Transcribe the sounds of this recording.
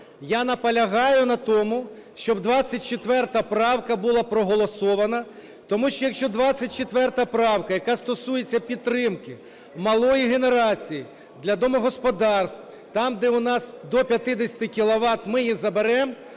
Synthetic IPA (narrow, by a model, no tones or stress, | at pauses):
janɐpɐlʲɐɦɑjʊnɐt̪ɔmʊ | ʃt͡ʃɔbd̪ʋɑt͡sʲːɐt̚ʲt͡ʃet̪ʋɛrt̪ɐpɾɑwkɐbulˠɑpɾɔɦɔlˠɔsɔʋɐnɐ | t̪ɔmuʃt͡ʃɔjɐkʃt͡ʃɔd̪ʋɑt͡sʲːɐt̚ʲt͡ʃet̪ʋɛrt̪ɐpɾɑwkɐjɐkɑst̪ɔsujet͡sʲːɐpʲit̪ːɾɪmkɪ | mɐlˠɔjiɦene̞ɾɑt͡sʲiji | d̪lʲɐd̪ɔmɔɦɔspɔd̪ɑrst̪ | t̪ɑmd̪ɛʊnɑsd̪ɔpʲjɐt̪ɪd̪esʲɐ̥t̪ɪkʲilˠɔʋɑt̪mɪjizɐbeɾɛm